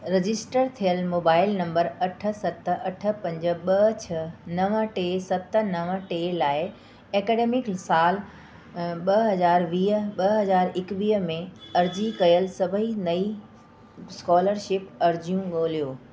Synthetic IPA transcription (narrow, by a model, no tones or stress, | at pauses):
ɾɪd͡ʑɪsʈəɾt̪ʰijəlmoːbaːɪlnɐ̃mbəɾɐʈʰə̆sɐt̪̆ɐʈʰə̆pɐ̃ɲd͡ʑə̆ɓɐt͡ɕʰɐnɐʋəʈeːsɐt̪ə̆nɐʋə̆ʈeːlaːɪ | eːkeːɖeːmɪksaːl | ɓɐɦɐzaːɾʋiːɦəɓɐɦɐzaːɾɪkʋiːɦmẽɐɾd͡ʑikɐjəlsɐbʱinɐi | skɔːləɾʃɪpɐɾd͡ʑjũɠoːlijoː